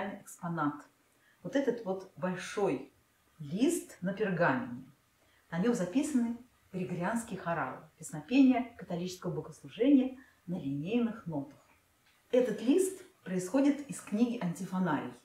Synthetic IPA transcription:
lʲnɨjɪkspɐnat̪ | vot̪ɛt̪ət̪vo̞t̪bɐlʲʂoj | lʲist̪nəpʲɪrɡamʲɪ̰nʲɪ | nɐnʲomzɐpʲisənɨ | ɾʲɪɡɾʲɪanskʲɪjxɐɾa̰lˠɨ̰pʲɪsnɐpʲenʲɪjəkət̪ɐlʲit͡ɕɪskəvəbəɡəslˠʊʐɛnʲɪjə | nəlʲɪnʲejnɨxno̞t̪ə̥x | ɛt̪ət̪lʲist̪pɾəɪsxo̞dʲɪt̪ɪsknʲiɡʲɪʔɐnʲtʲɪfɐnaɾʲɪ̰j

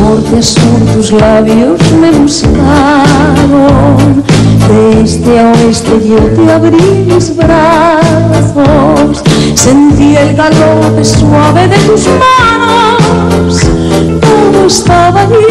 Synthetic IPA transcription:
oɾt̪easuɾt̪uzlaβjozmeβuskaɾo | d̪est̪eaoest̪eʎet̪eaβɾimezβɾa | θosː | ent̪iaelɣaloɾapeswaβeðet̪uzmano | s | t̪oðoest̪aβaði

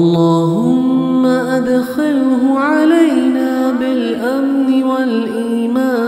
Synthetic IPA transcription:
lˤːɑːɦʊmːaʔad̪xalɦʊʕalajnaːbɪlʔamnɪwalʔiːmaː

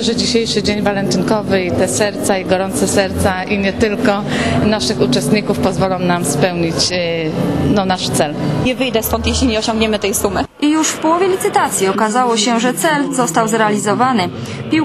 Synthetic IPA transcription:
ʐɛd͡ʑiɕejʂɘd͡ʑeɲvalɛnt̪ɘŋkɔvɘit̪ɛsɛɾt̪saiɡɔɾɔnt̪sɛsɛɾt̪saʔiɲɛt̪ɘlkɔnaʂɘxut͡ʂɛst̪ɲikufpɔzvɔlɔ̃w̃namspɛwɲit͡ɕ | nɔnaʂt̪sɛlɲɛvɘjd̪ɛskɔnt̪jeɕlʲiɲɛɔɕɔ̃ŋɡɲɛmɘt̪ɛjsumɘʔijuʂfpɔwɔvʲjɛlʲit̪sɘt̪at̪sʲjiɔkazawɔɕɛʐɛt̪sɛlzɔst̪awzɾɛalʲizɔvanɘ | pʲi

